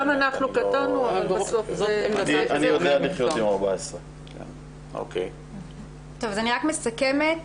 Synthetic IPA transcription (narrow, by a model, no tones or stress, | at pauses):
manaχnukat̪anuavalbasofzoeaianijod̪ealiχjojomaʁbaesʁe | kḛn | o̰kej | t̪ovazaniʁakmesakemet